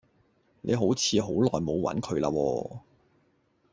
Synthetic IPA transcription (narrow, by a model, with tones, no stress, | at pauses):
nʔḛ˨˧ɦo˨˥wt͡sʰiː˨˧ɦo˨˥wlɔː˨jmo˨˧wwɐ̰˨˥nkʰɵ˨˧ɥla̰ː˧wɔ̰ː˧